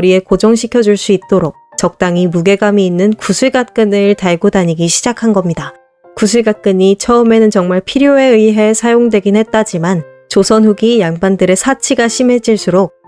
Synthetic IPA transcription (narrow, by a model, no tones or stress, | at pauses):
kʌɾie̞kod͡ʑʌŋɕʰikʰjʌd͡ʑuɭs͈uit̚t͈oɾok̚t͡ɕʌk̚t͈aŋimuɡe̞ɡamiːnːɯnkusʰuɭɡat̚k͈ɯnɯɭtaɭɡodaɲiɡiɕʰid͡ʑakʰanɡʌmɲida | kusʰuɭɡat̚k͈ɯɲit͡ɕʰʌɯme̞nɯnt͡ɕʌŋmaɭpʰiɾjoe̞ɯiɦe̞sʰajoŋdwe̞ɡinhe̞t̚t͈ad͡ʑiman | t͡ɕosʰʌnɸuɡijaŋbandɯɾe̞sʰat͡ɕʰiɡaɕʰimɦe̞d͡ʑiɭs͈uɾok̚